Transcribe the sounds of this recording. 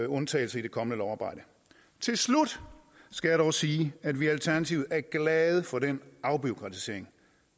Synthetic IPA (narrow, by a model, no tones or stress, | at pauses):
ɔ̽nt͡sʰɛ̰ːɪl̩sɐid̥e̝kʰɒ̽mənəlɒʊɑ̈ːb̥ɑ̈ɪ̰d̥ə | t͡sʰe̝lslud̥ | sɡ̥æjɑɾ̥ɒʊsiːæd̥ʋiælt͡sʰæɐnæt͡sʰiʊð̩ˠæɐɡ̥lɛð̞ˠəfɒ̽denɑ̈ʊb̥io̝kʰʁɑ̈t͡sʰi̥se̝ɐeŋ